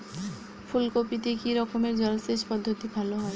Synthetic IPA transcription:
pʰulkopit̪ekiɾɔkomeɾd͡ʑɔlseʃpɔd̪ʱːot̪ibʱaloɦɔe

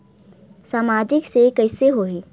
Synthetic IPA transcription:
saːmaːd͡ʒɪksekəɪseɦoɦeː

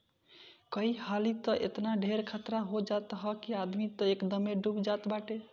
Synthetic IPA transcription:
kəihalit̪əʔḛt̪naɖʱeɾkʰat̪ɾaɦod͡ʒat̪ɦəkiad̪mit̪əekd̪əmeɖubd͡ʒat̪baʈe

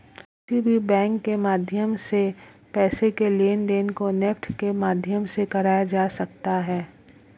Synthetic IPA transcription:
sibʱibɛ̃ːŋkːemaːd̪ʱjəmse | pɛːsekeleːnd̪eːnkonɛfʈʰkemaːd̪ʱjəmsekɐɾaːjad͡ʒaːsɐkt̪aɦɛː

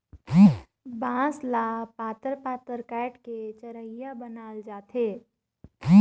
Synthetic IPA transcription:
bãːslaːpaːt̪əɾpaːt̪əɾkɛːʈket͡ʃəɾəijabənaːld͡ʒaːt̪ʰeː

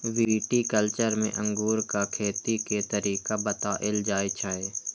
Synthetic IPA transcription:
ʋiːʈikəlt͡ʃəɾmḛ̃ʔə̃ŋɡuːɾkakʰeːt̪iket̪əɾiːkabət̪aːʔɪld͡ʒaːet͡ʃʰaːeː

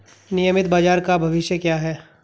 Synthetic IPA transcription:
nɪjəmɪt̪baːd͡ʒaːɾkabʱɐʋɪʃjəkjaːɦɛː

